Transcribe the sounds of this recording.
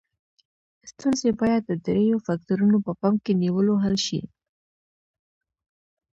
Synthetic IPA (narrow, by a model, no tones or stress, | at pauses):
st̪unzebɑjad̪̚ːəd̪ɾejofak̚t̪uɾunopəpɑmkeniwəloɦalʃḭ